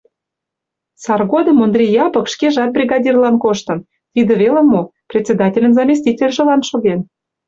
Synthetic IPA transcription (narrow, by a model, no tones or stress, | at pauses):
sɑrɣod̪ə̆mond̪rʲijɑpɤ̆kʃkeʒɑt̪̚brʲiɣɑdʲirlɑnkoʃt̪ə̆n | t̪id̪ĕβelə̆mːoprʲet̪ʲt͡sʲed̪ɑtʲelʲə̆nzɑmʲis̬ʲt̪ʲitʲelʲʒĕlɑnʃoɣen